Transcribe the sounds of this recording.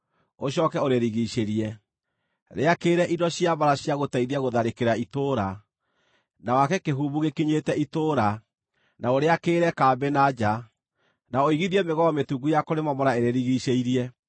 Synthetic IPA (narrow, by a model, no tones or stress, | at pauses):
oɕ̬ɔkɛoɾeɾiɣiʃeɾiɛ | ɾeakeːɾɛʔidɔɕiaβaɾaɕijaɣotaiðiaɣoðaɾekeɾaitoɾa | nawakɛkeɦuːβuɣekiɲetɛitoːɾa | naoɾeakeːɾɛkaːbenad͡ʒa | naoiɣiðiɛmeɣɔɔmetuɡujakoɾemamɔɾaeɾeɾiɣiʃeiɾiɛ